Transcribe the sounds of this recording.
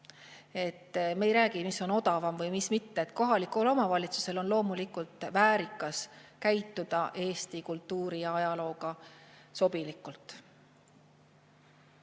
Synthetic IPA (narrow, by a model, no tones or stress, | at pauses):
e̞t̪ːme̞jɾæːɡ̥imisːo̞no̞d̪̥ɑvɑmvɤjmismit̪ːe̞et̪ko̞ɦɑlikːˑulo̞mɑvɑlʲit̪su̥se̞lo̞nlo̞ːmulikult̪ˑvæːɾikːˑɑskæjt̪ːˑud̪̥ɑʔe̞ːst̪ikult̪ːuːɾijɑɑjɑlo̞ːɡɑso̞b̥ilikːult̪ːˑ